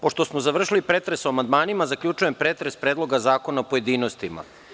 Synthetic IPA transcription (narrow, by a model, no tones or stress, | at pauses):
poʃt̪o̞smozaʋr̩ʃilipɾeːt̪ɾesoamand̪maːnimazakʎʲut͡ʃujempɾet̪ɾespɾeːd̪lˠo̞ɡazaːko̞naopoje̞d̪iːnost̪ima̰